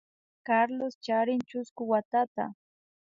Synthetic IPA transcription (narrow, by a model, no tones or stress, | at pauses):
kaɾlost͡ʃaɾɪnt͡ʃʊskʊwat̪at̪a̰